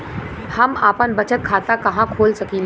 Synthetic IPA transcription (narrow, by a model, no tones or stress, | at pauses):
hɐmaːpənbɐt͡ʃət̪̚kʰaːt̪akɐɦãkʰoːlsɐki